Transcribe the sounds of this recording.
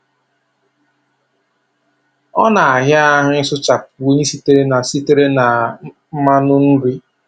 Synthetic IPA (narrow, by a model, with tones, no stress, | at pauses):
ɔ˦na˨a˨ɦja˦a˦ɦʊ˦ɪ˦sʊ˦t͡ʃa˨po˦ɲe˦si˦te˨ɾe˦na˨si˦te˦ɾe˦na˨ | m̩˦ma˦nʊ˦n̩˦ɾi˦